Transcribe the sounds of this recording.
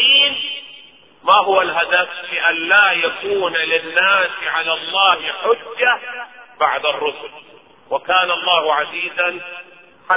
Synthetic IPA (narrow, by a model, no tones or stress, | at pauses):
iːn | maɦʊwalɦad̪aflɪʔanlaːjakuːnlɪnːaːsʕalalˤːɑːhɪħʊd͡ʒːabaʕd̪ɑrˤːʊsʊl | wakaːnlˤːɑːhʊʕaziːzan | ħa